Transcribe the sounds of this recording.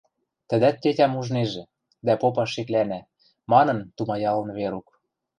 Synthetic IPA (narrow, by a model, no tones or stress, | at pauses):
t̪ə̆d̪æt̪̚ːetʲæmuʒneʒĕ | d̪æpopɑʃeklænæ | mɑnɤ̆nt̪umɑjɑlə̆nβeɾuk